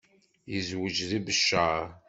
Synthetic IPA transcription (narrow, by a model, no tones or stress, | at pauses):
jəzwəd͡ʒðibəʃːa